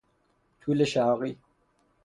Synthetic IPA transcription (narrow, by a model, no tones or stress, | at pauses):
t͡ɕʰuleɕaːɣi